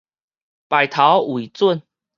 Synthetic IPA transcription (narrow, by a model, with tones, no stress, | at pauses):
pa˨ɪjt̪ʰa˨˦wu˨i˨t͡swə˥˨n